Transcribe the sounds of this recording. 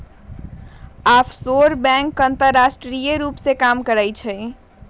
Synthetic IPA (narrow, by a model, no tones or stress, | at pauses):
apʰsoɾbɛ̃ŋkənt̪əɾːasʈɾijəɾupsekamkəɾəjt͡ʃʰɛj